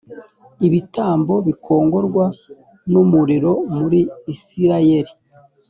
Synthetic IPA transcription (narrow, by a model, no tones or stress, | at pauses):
iβitaːmbo̞βikʰo̞ːŋɡo̞ɾɡwa | numuɾiɾo̞muɾiːsiɾajeɾi